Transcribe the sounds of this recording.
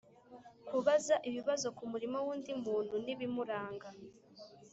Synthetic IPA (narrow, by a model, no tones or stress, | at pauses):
kuβazaʔiβiβazo̞kumuɾimo̞wuːndimuːn̥huniβimuɾaːŋɡa